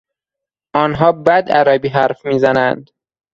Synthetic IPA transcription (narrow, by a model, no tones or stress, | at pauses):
ʔɒːnɦɒːbæd̪æɾæːbiːɦæɾfmiːzænænd̪